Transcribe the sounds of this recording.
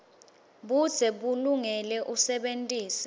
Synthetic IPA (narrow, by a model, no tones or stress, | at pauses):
ɓud̥z̥ʰʱɛɓuluŋɛlɛʔusɛɓentʼiːsi̥